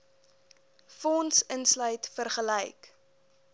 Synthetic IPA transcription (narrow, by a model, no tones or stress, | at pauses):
fɔnsənslœɥtfərχəlɛjk